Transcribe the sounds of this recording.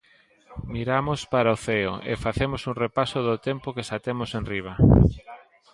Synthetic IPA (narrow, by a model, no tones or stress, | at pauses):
miɾamospaɾaoθeo̰ʔḛfaθemosuŋrepasoðʊt̪empokesat̪emʊsẽnriβ̞a